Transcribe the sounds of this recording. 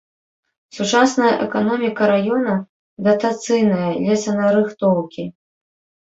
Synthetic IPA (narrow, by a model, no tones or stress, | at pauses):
sut͡ʂasnɐjɐʔɛkanɔmʲikɐɾajɔnɐ | d̪ɐt̪at̪sɨjnɐjɐlʲɛsɐnɐɾɨxt̪ɔwkʲi